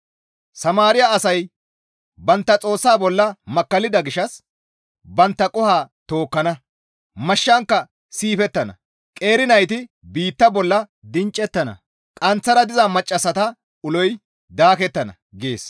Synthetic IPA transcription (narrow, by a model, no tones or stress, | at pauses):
sɐmaːɾɪjɐɐsɐj | bɐnt̪ːɐt͡sʼo̞ːsːaːbɔlːɐmɐkːɐlɪd̪ɐɡɪʃɐs | bɐnt̪ːɐkʼʊhaːt̪o̞ːkːɐnɐ | mɐʃːɐŋkːɐ | siːfɛt̪ːɐnɐ̰ | kʼe̞ːɾɪnɐjt̪ɪ | biːt̪ːɐbɔlːɐd̪ɪnt͡ʃʼːɛt̪ːɐnɐ̰ | kʼɐnt͡sːɐɾɐd̪ɪzɐmɐt͡ʃʼːɐsɐt̪ɐ | ʊlɔj | d̪aːkɛt̪ːɐnɐ̰ | ɡe̞ːs